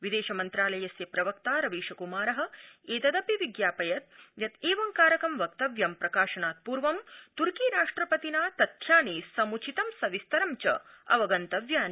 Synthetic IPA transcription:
ʋid̪eːʃɐmɐnt̪ɾaːlɐjɐsjɐpɾɐʋɐk̚t̪aːɾɐʋiːʃɐkumaːɾɐɦɐ̆eːt̪ɐd̪ɐpiʋiɡjaːpɐjɐt̪̚jɐt̪eːʋɐŋkaːɾɐkɐmʋɐk̚t̪ɐʋjɐmpɾɐkaːʃɐnaːt̪̚puːɾʋɐmt̪uɾkiːɾaːʂʈɾɐpɐt̪inaːt̪ɐt̪ʰjaːneːsɐmut͡ʃʰit̪ɐmsɐʋist̪ɐɾɐmt͡ʃɐ̰ɐ̰ʋɐɡɐnt̪ɐʋjaːni

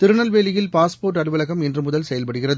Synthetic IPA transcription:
t̪ɪɾɯɳɐlʋeːlɪjɪlpaːspoːrʈ̬ːɐɽɯʋɐlɐɣɐmɛndrɯmʊðɐlsɛjɐlpɐɽɯɣɪrɐðɯ

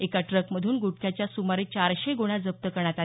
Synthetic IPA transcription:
ekaʈɾəkməd̪ʱuːnɡuʈ̚kʰjat͡ɕjasumaɾet͡ɕaɾɕeɡoɽ̃ad͡zəp̚t̪əkəɳ̃at̪al

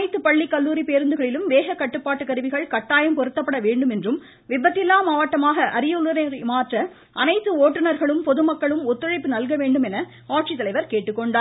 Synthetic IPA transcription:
ɐɪt̪ːɯpɐɭːikːɐlːuːɾipeːɾɯnd̪ɯɣɐɭɪlɯmʋeːɣɐkɐʈːɯpːaːʈːɯkɐɾɯʋɪɣɐɭkɐʈːaːjɐmpɔɾɯt̪ːɐpːɐɽɐʋeːɳɖɯmɛndrɯm | ʋɪbːɐt̪ːɪlːaːmaːʋɐʈːɐmaːɣɐʔɐɾɪjɐlɐɾɐɾmaːʈrɐ | ʔɐnɐɪt̪ːɯoːʈːɯnɐɾɣɐɭɯmpɔðɯmɐkːɐɭɯmɔt̪ːɯɻɐɪpːɯnɐlɣɐʋeːɳɖɯmɛnɐ | aːʈ̚t͡ʃit̪ːɐlɐɪʋɐɾkeːʈːɯkːɔɳɖaː

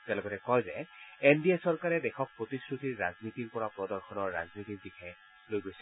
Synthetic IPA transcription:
tɛlɔɡɔtɛkɔjzɛendiɛsɔɹkaɹɛdɛxɔk̚pɹotisɹutiɹːaznitiɹpɔɹapɹɔdɔɹxʰɔnɔɹːa̰znitikbixʰɛj | lojɡojsɛ

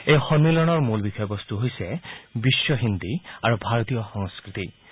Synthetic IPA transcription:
ejxɔnːilɔnɔɹmulbixɔjɔbɔst̪uɦojsɛbisːɔɦind̪iaɹubʱaɹɔt̪ijɔxɔŋskɹit̪i

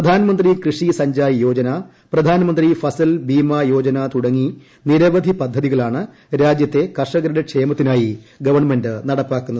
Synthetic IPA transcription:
rɐd̪ʱaːnɐmɐnd̪rikrɨʂisɐɲd͡ʑaːjjo̞ːd͡ʑɐnɐ | prɐd̪ʱaːnɐmɐnd̪rifɐsɐlbiːmaːjo̞ːd͡ʑɐnat̪uɽɐŋːi | niɾɐʋɐd̪ʱipɐd̪ʱːɐðiɣɐɭaːɳɨ | ɾaːd͡ʑjɐt̪ːe̞kɐrʂɐɣɐɾɽɐkʂeːmɐt̪ːinaːjiɡɐʋɐrɳme̞ndɨnɐɽɐpːaːkːunːɐð

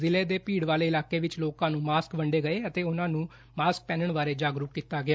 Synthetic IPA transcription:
zɪleːd̪eːpiːɽʋaːleːɪlaːkeːʋɪt͡ʃloːkãːnũːmaːskbəɳɖeːɡəeːət̪eːʊnãːnũː | maːsk̚pɛːnəɳʋaːɾeːd͡ʒaːɡɾuːkːiːt̪aːɡɪaː

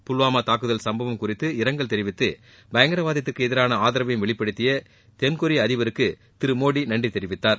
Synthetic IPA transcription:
pʊlʋaːmat̪aːkɯðɐlsɐmbɐʋɐmkʊrɪt̪ːɯɪɾɐŋɡɐɭt̪ɛɾɪʋɪt̪ːɯ | bɐjɐŋɡɐɾɐʋaːðɐt̪ːɯkːɯɛðɪɾaːnɐaːðɪɾɐʋɐjmʋɛɭɪpːɐɽɯt̪ːɪjɐ | t̪ɛnkʊɾiɐðɪʋɐɾɯkːɯ | t̪ɪɾɯmoːɽinɐɳɖrit̪ɛɾɪʋɪt̪ːaːɾ

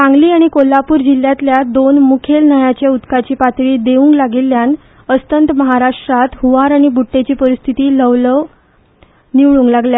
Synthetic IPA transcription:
kãŋɡliːaɽ̃ikolːapuːɾd͡ʑiljãt̪ljad̪onmukʰelnəjat͡ɕjaut̪kat͡ɕiːpat̪ɭiːd̪eʋũŋklaɡilːjan | əst̪ənt̪məɦaɾaʂʈɾat̪ɦuʋaɾaɽ̃ibuʈːet͡ɕiːpəɾist̪ʰit̪iːləʋlə | niʋɭuːŋɡlaɡlja

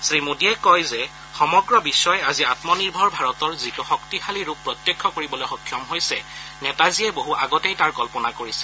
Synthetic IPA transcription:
sɹimudiɛkɔjzɛ | xɔmɔɡɹɔbisɔjaziatmɔniɹbʱɔɹbʱaɹɔtɔɹzituxɔktixaliɹupːɹɔtjɛkʰːɔkoɹibɔlojxɔkʰːjɔmɦojsɛnɛtaziɛboɦuʔaɡɔtejtaɹkɔlpɔnakoɹisɛ̥

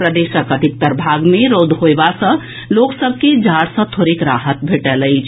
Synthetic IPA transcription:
pɾəd̪esəkəd̪ʱik̚t̪əɾbʱaɡmeɾod̪ʱɦoebasə̃ | loksəb̚ʱked͡ʒaɽsə̃t̪ʰoɾekɾaɦət̪̚bʱeʈələɪt͡ʃʰ

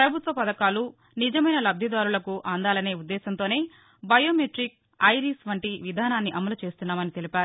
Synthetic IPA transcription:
pɾɐbʱut̪ʋɐpɐd̪ɐkaːlu | nid͡ʒɐmɐjnɐlɐb̚d̪ʱid̪aːɾulɐkuʔaːnd̪aːlɐne̞ːud̪ːɛːsɐnt̪o̞ːne̞ː | bɐjoːmeʈɾik̚ | ɐjɾisʋɐɳʈiʋid̪ʱaːnaːnːiʔɐmɐlut͡ʃe̞ːst̪unːaːmɐnit̪e̞lipaːɾu

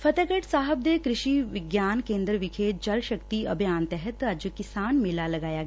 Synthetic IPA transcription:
fɐt̪əɡəʈsaːɦəb̚d̪ekɾɪʃiːʋɪɡjaːnkẽːnd̪ɾəʋɪkʰeːt̪̚d͡ʒɐlʃɐkt̪iɐbʱjaːnt̪ɛɦət̪ɐd͡ʒəkɪsaːnmɪlalɐɡaːjaːɡ

